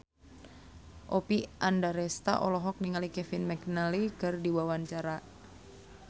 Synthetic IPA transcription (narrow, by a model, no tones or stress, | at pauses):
ʔɔpiʔandaɾɛst̪a̰ʔɔ̰lɔɦɔk̚niŋalikɛfinmɛknalikɨrdiwawaɲt͡ʃaɾa